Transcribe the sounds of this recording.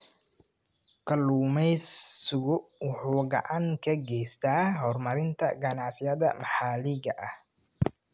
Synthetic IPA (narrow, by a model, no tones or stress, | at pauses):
kʰɐluːmɛjsʊɣʊwʊħuːɡɐ̰ʕaŋkʰɐɡɛjst̪ʰaːɦɔrmɐɾɪnt̪ʰɐ̰ɡɐnɑʕsɪjɐðɐ̰mɑħaːlɪɣɐʔɐh